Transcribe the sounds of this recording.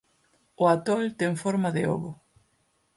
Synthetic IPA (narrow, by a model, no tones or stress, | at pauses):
ʊat̪ɔlt̪ɛŋfɔɾmaðɪo̰ɣʊ